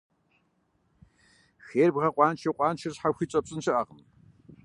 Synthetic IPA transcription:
xeːrbʁɐqʷʼɑːnt͡ʃʰɐqʷʼɑːnt͡ʃʰɪrɕħaxʷiːt͡ɕʼɐpɕʼɪnɕɪʔaːʁəm

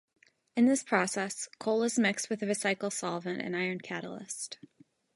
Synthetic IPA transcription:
ɨ̃nðɪspʰɹ̥ɔsɛskʰoʊlˠəzmɪkst̚wɨðɨɹɨsaɪkl̩ˠsɑlˠvɨ̃ntɨ̰̃naɪə̃˞nkʰæɾl̩ˠɪ̰st

